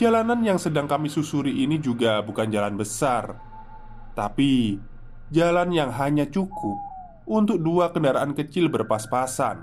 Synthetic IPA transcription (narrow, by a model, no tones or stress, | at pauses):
d͡ʒalananjaŋsədaŋkamisusuɾiʔinid͡ʒuɡabukand͡ʒalanbəsar | t̪api | d͡ʒalanjaŋɦaɲat͡ʃukʊp̚ | unt̪ʊk̚duakəndaɾaʔankət͡ʃɪlbərpaspasa̰n